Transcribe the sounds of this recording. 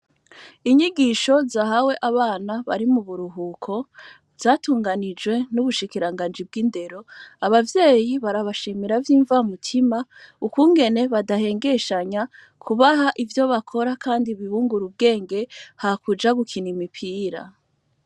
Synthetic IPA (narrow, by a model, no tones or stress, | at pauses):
iɲiɡiːʃo̞zaːɦawe̞ʔaβaːnaβa̰ɾimuβuɾuɦuːkʰo̞ | vzaːtuːŋɡanid͡ʒwe̞nuβuʃikiɾaŋɡaːnd͡ʒib̚ɡinde̞ɾo̞aβavje̞ːjiβaɾaβaʃimiɾavjiːɱvamutʰima | ukuːŋɡe̞ne̞βadahe̞ːŋɡe̞ʃaɲa | kʰuβaɦaʔivjo̞βakʰo̞ɾakʰaːndiβihuːŋɡuɾub̚ɡe̞ːŋɡe̞hakud͡ʒaɡukʰinimipʰiːɾa̰